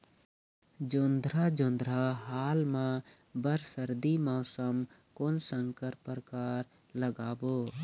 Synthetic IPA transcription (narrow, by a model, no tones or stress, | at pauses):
d͡ʒond̪ɾaːd͡ʒõnd̪ʱɾaɦaːlmã | bəɾsəɾd̪imɔːsəm | konsə̃ŋkəɾpəɾəkaːɾ | ləɡaːboː